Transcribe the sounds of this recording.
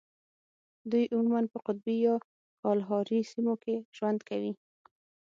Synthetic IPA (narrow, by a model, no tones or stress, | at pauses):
d̪ujʔʊmumanpəqʊt̪̚bijɑ | kɑlɦɑɾisimokeʒ̥wand̪kawi